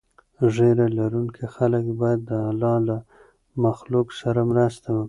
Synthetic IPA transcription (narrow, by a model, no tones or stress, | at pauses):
ʐeɾalaɾuŋkʰixaləkbɑjad̪ːəalɑla | maxluksaɾamɾast̪awəki